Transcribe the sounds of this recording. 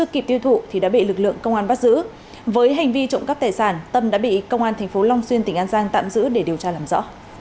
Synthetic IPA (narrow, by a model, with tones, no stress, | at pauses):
ɨ˦˧əkːi˨˩p̚t̪i˧wt̪ʰṵ˧˨t̪ʰi˨˩ɗa̰ː˧˥ɓḭ˧˨lɨ˨˩k̚lɨ̰˧˨əŋkə˧wŋ͡mʔaː˧nɓa˦˥t̚zɨ̰˧˥ | vəː˨˦jɦa˨˩jŋ̟vi˧t͡ɕo̰˧˨ŋ͡mkə˦˥p̚t̪aː˨˩jsaː˧˩nt̪ə˧mɗa̰ː˧˥ɓḭ˧˨kə˧wŋ͡mʔaː˧nt̪ʰɛ˨˩ŋ̟fo˨˦la˧wŋ͡mswi˧ənt̪ï˧˩ŋ̟ʔaː˧nzaː˧ŋt̪a̰ː˧˨mzɨ̰˧˥ɗe˧˩ɗi˨˩əwt͡ɕaː˧laː˨˩mzɔ̰˧˥